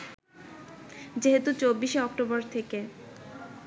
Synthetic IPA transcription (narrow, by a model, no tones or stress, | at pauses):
d͡ʑeɦet̪ut͡ɕobːiʃeɔk̚ʈobɔɾt̪ʰeke